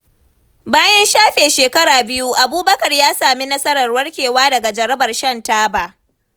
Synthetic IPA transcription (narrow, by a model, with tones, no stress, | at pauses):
baː˦jɐ˦nʃaː˦ɸeː˨ʃeː˨kɐ˦ɽaː˨bɪ˦ju˦ʔa˨buː˦bɐ˦kɐ˨rjaː˦saː˨mi˦nɐ˦sɐ˦ɾɐ˨rwɐ˦rkʲeː˨waː˦dɐ˨ɡa˨d͡ʒɐ˨ɾɐ˦bɐ˨rʃɐ˦˨ntaː˦baː˨ʔ